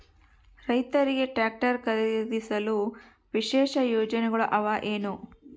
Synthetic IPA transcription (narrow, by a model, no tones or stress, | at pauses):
ɾɐjt̪ɐɾiɡe̞ʈaːk̚ʈɐɾkɐɾid̪isɐlu | ʋiʃɛːʃɐjoːd͡ʒɐnɛɡɐɭɐʔɐʋaʔeːnu